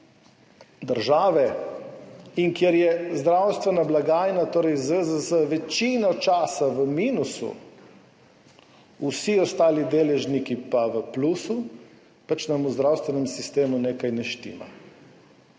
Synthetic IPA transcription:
d̪əɾʒaːʋɛ | iŋkjɛɾjɛzd̪ɾawst̪ʋɛnablaɡaːjnat̪oːɾɛjzʋezazəʋɛt͡ʃiːnɔt͡ʃaːsaʋəmiːnusṵ | usiɔst̪aːlid̪eːlɛʒnikipaʋəplusu | pat͡ʃnamuzd̪ɾawst̪ʋɛnɛmsist̪eːmuneːkajnɛʃt̪ḭːma̰

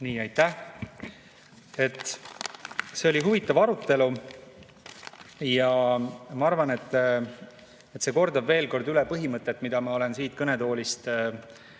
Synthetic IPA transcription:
niːɑjt̪ːˑæh | e̞t̪ːˑ | se̞o̞liɦuvit̪ːˑɑvɑɾut̪ːˑe̞lu | jɑmɑɑrvɑne̞t̪ːˑ | et̪se̞ko̞rd̪̥ɑbve̞ːlko̞rd̪ylepɤɦimɤt̪ˑːe̞t̪ːˑmid̪̥ɑmɑo̞le̞nsiːt̪̚kɤne̞d̪o̞ːlist̪

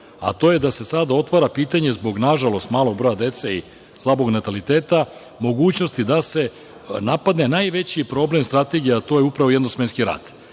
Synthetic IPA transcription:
a̰t̪o̞je̞d̪ase̞sad̪ao̞t̪ʋaɾapiːt̪aɲe̞zbo̞ɡnaʒalo̞st̪maːlo̞ɡ̚bɾo̞jad̪e̞t̪sei | slˠabo̞ɡnat̪alit̪eːt̪a | mo̞ɡuːt͡ɕnost̪id̪ase̞ | napad̪ne̞naːjʋe̞t͡ɕipɾo̞ble̞mst̪ɾat̪e̞ɡijeat̪o̞jeupɾaʋoed̪nosmenskiɾa̰ːd̪̥

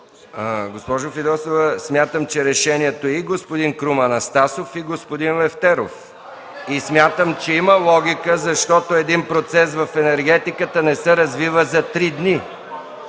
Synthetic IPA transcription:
əɡospɔʒofid̪ɔsovɛsmʲjat̪əmt͡ʃɛɾɛʃɛniɛt̪oiɡospod̪inkɾumɐnɐst̪asofiɡospod̪inlɛft̪ɛɾof | ismʲjat̪əmt͡ʃɛiməlˠɔɡ̟ʲikəzɐʃt̪ɔt̪oɛd̪inpɾot̪sɛsvɐfɛnɛɾɡɛt̪ikət̪ənɛsɛɾɐzvivəzɐt̪ɾid̪ni

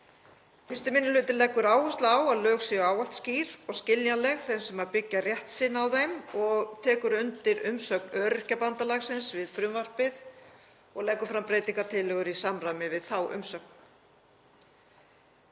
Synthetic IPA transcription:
fɪst̪ɪmɪnːʏlʏːt̪ɪlɛhkːʏɾaːwʏst̪lawaðlœːxsjɛaːwal̥t̪sciːɾɔɣscɪljalɛɣθɛjnsɛmaɾpɪcːarjɛht̪sɪnːawðejmɔɣt̪ʰɛːkʏɾʏnt̪ɪɾʏmsœknœɾcapant̪alaɣsɪnsvɪðfɾʏmvar̥pɪð | ɔɣlɛkːʏɾfɾampɾeːjt̪iŋkat̪ʰɪlːɛɣʏɾisamramɪvɪðθawʔʏ̰msœk̚n

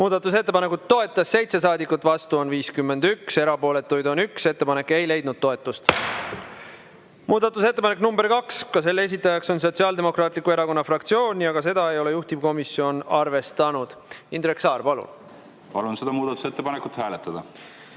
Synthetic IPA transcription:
muːd̪ɑt̪ːˑus̬e̞t̪ːepɑne̞kut̪ːo̞e̞t̪ːˑɑsːe̞jt̪se̞sɑːd̪ikːˑut̪ːˑvɑst̪uo̞nviːskymːe̞nd̪ykse̞ɾɑpo̞ːle̞t̪ːujd̪o̞nykse̞t̪ːe̞pɑne̞kːe̞jle̞jd̪̚nud̪̚t̪ːo̞e̞t̪ːˑust̪ | muːd̪̥ɑt̪ːˑuse̞t̪ːepɑne̞knumbe̞rkɑkskɑse̞lːe̞s̬ʲit̪ːˑɑjɑkso̞ns̬o̞t̪siɑːld̪e̞mo̞krɑːt̪ˑlikːˑue̞ɾɑko̞nːɑfrɑkt̪sio̞ːnʲiɑɡɑse̞d̪ɑe̞jo̞le̞juht̪ib̥ko̞misio̞nɑrve̞st̪ɑnud̪̥ind̪ɾeksɑːrpɑlṵn | pɑlunsed̪̥ɑmuːd̪̥ɑt̪u̥set̪ːepɑnekut̪hæːlet̪ːˑɑd̪̥ɑ

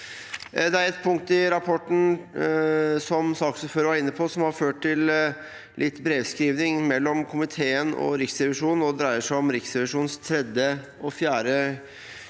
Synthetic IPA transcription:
d̪ɛæɾɛt̪pʰʊŋk̚t̪ɪɾɑpʰɔʈn̩ | sɔmsɑːksɔføːɾəʋɑɾɪnːəpʰɔsɔmhɑɾføːʈʈɪl | lʔɪt̪ːbɾeːʋskɾiːʋnɪŋmɛlːɔmkʰʊmɪt̪ʰeːənɔ̰ɾɪksɾɛʋɪʂuːnnɔd̪ɾæɪəʂæɪɔmɾɪksɾɛʋɪʂuːnst̪ʰɾɛd̪jə | ɔfjæːɾə

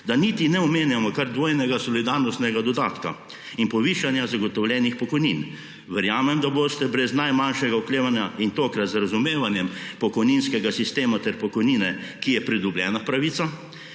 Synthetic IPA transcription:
d̪anit̪inɛɔmeːnjamɔkaɾd̪ʋoːjnɛɡasɔlid̪aɾnɔst̪nɛɡad̪ɔd̪aːt̪ka | inpɔʋiːʃanjazaɡɔt̪ɔwlʲjɛnixpɔkɔjnin | ʋɛɾjaːmɛmd̪aboːst̪ɛbɾɛznajmanʃɛɡaukleːʋanjaint̪oːkɾat̪zɾazumeːʋanjɛmpɔkɔjninskɛɡasist̪eːmat̪ɛɾpɔkɔjniːnɛkijɛpɾid̪ubljɛ̰ːnapɾaʋiːt̪sa

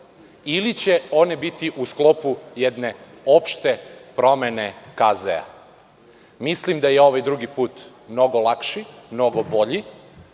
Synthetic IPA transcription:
ilit͡ɕe̞o̞ne̞bit̪iʔusklo̞pujɛd̪ne̞ | o̞pʃt̪e̞pɾo̞mene̞kazḛa̰ | mislimd̪ajeo̞ʋajd̪ɾuɡipuːt̪ | mno̞ɡolˠakʃimno̞ɡo̞bo̞ʎi

